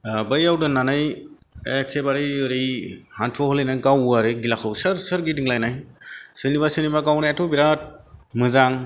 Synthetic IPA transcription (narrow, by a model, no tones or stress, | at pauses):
bəjawdɯnːanɯj | ekʰebaɾiɯɾijhantʰɔhɔlɯjnajkawaɾɯɡilakʰɯwsɯɾsɯɾɡidiŋlajnajsɯnibasɯnibakawnajatʰɔbiɾat̚mɯzaŋ